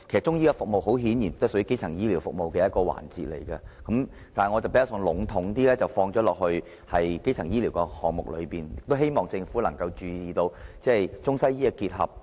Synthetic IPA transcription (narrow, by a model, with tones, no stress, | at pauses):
kʰe˨˩sɐ˨˩t͡ʃʊ˥ŋjiː˥kɐ˧fʊ˨k̚mo˨wɦo˨˥wɦiː˨˥njiː˨˩nt̪ːsə˨˥˧ke˥jt͡sʰɐ˨˩ŋjiː˥li˨˩wfʊ˨k̚mo˨wkɛː˧jɐ˥t̚kɔː˧wa̰ː˨˩nt͡sḭː˨t̚lḛ˨˩jkɐ˧kɐ˨˥m | t̪aː˨˩ŋɔ˨˧t͡swpe˨˥jːsɔ˧ŋlʊ˨˥ŋt̪ʰʊ˨˥ŋt̪̬iː˥lɛː˥t͡sɐ˨˩wfɔː˧ŋt͡ʃɔː˨˥lɔː˨˩k̚hɵ˧ɥ | hɐ˨jke˥jt͡sʰɐ˨˩ŋjiː˥li˨˩wkɛ˧hɔː˨˩ŋmʊ˨˩k̚lɵ̰˨˧piː˨njɪ˨k̚t̪o˥wɦe˥jmɔː˨˩ŋt͡sɪ˧ŋfuː˨˥lɐ˨˩ŋkɐ˧wt͡ʃyː˨˧jiː˨t̪o˧wt͡sɛː˥˨jt͡sʊ˥ŋsɐ˥jiː˥ɛ˧kiː˧t̚hɐ̰˨p̚